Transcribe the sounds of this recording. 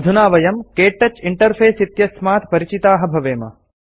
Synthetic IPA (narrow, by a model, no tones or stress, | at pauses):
d̪ʱunaːʋɐjɐmkeːʈːɐt͡ʃiɳʈɐɾpʰeːsit̪jɐsmaːt̪pɐɾit͡ʃit̪aːɦɐbʱɐʋeːmɐ̰